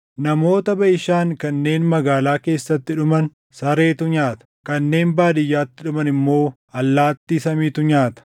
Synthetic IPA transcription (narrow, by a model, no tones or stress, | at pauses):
nɐmo̞ːt̪ɐbɐʔɪʃaːŋkɐnːe̞ːnmɐɡaːlaːke̞ːsːɐt̪ːɪᶑʊmɐn | sɐɾe̞ːt̪ʊɲaːt̪ɐ̥kɐnːe̞ːnbaːd̪ɪjːaːt̪ːɪᶑʊmɐnɪmːo̞ː | ɐlːaːt̪ːiːsɐmiːt̪ʊɲaːt̪ɐ̥